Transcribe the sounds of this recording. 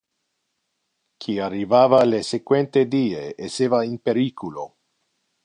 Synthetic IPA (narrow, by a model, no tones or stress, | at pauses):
kʰiarːivaːvalesekwent̪ed̪iːeeseːvainpeɾiːkʰulo